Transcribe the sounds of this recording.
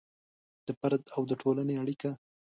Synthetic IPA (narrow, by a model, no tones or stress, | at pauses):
d̪̥əpaɾd̪awd̪əʈʰolaneaɽika